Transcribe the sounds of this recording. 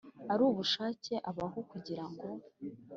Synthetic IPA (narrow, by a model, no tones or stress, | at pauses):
aɾuːβuʃaːce̞ʔaβaɦo̞kuɟiɾaŋɡo̞